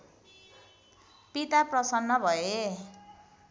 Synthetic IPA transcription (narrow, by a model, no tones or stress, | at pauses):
pit̪aprʌsʌnːʌbʱʌe